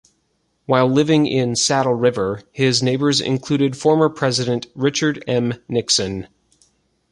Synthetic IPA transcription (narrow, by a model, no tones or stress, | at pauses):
waɪlˠlɪvɪ̃ŋʔɪ̃nsæɾl̩ˠɹɪvə˞hɪzneɪbə˞zɪ̰̃nkʰl̥ʉɾɨdfɔɹmə˞pʰɹ̥ɛzɨɾɨ̃nʔɹɪt͡ʃə˞ɾɛ̃mnɪksɨ̃n